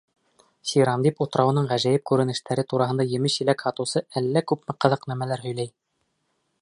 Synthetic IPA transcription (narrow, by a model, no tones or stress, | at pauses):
siɾɑmd̪iput̪ɾɑwɤ̆nɤɴʁæʒæjɘp̚kʉɾɘ̆nɘ̆ʃt̪ʰæɾɘt̪uɾɑɦɤ̆nd̪ɑjɘ̆mɘʃɘ̆lækhɑt̪ɤ̆wsɤælːækʉpmɘqɤ̆ðɤqnæmælæɾɦɵ̆jlæj